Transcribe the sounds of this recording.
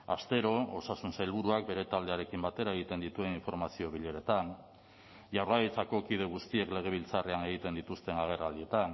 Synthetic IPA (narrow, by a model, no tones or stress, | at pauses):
ast̪e̞ɾo̞osasunsajlβuɾuak̚be̞ɾe̞t̪ald̪e̞aɾe̞kimbat̪e̞ɾae̞ɣ̞it̪e̞nd̪it̪ue̞niɱfo̞ɾmasio̞βiʎe̞ɾe̞t̪an | ʝawraɣit͡sako̞kið̞e̞ɣust̪ie̞kle̞ɣ̞e̞β̞ilt͡sare̞ane̞ɣ̞it̪e̞nd̪it̪ust̪e̞naɣ̞e̞rald̪ie̞t̪an